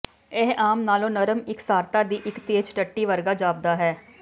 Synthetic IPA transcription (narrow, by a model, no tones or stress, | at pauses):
eɦʔaːmnaːlõːnəɾəmɪksaːɾt̪aːd̪iːʔɪkt̪eːd͡ʒʈəʈːiːʋəɾɡaːd͡ʒaːb̚d̪aːɦɛː